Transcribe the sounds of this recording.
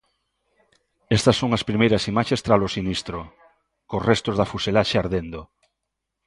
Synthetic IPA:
est̪ɐsːoŋaspɾimejɾɐsimaʃest̪ɾalosinist̪ɾo | kosrest̪ozðafuselaʃeaɾðend̪o

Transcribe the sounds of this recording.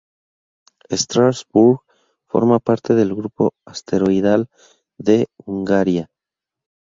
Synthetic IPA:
est̪ɾasbuɾɣ | fo̞̰ɾmapaɾt̪e̞ðe̞lɣɾupo̞̰ast̪e̞ɾo̞iðal | ðe̞uŋɡaɾja

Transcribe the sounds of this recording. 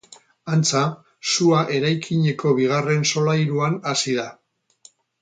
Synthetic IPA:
ant͡sa | suaʔe̞ɾajkʰiɲe̞ko̞βiɣ̞are̞nso̞lajɾuanasiða

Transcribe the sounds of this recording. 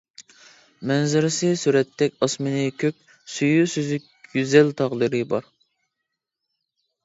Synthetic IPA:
mɛnzɪɾɪsɪsyɾɛt̪ʰːɛkʲɑsmɨnɪkʲʰøkʲ | syjusyzyk̚ʲɡyzɛlt̪ʰɑʁd̪ɨɾɨbɑɾ

